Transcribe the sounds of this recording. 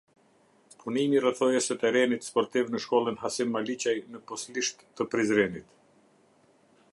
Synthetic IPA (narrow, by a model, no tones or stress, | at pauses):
pʰunimirəθɔjɛsət̪ɛɾɛnit̪spɔɾt̪ivnəʃkɔlˠənɦasimːalit͡ɕajnəpɔsliʃt̪ːəpɾizɾɛnit̪